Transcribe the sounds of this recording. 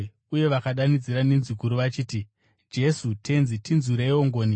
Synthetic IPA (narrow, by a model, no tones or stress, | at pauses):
uje̞ʋakaɗanid͡ziɾanenzikuɾuʋat͡ʃiːti | d͡ʒe̞sutʰe̞nzitinzuɾeioŋɡo̞ːni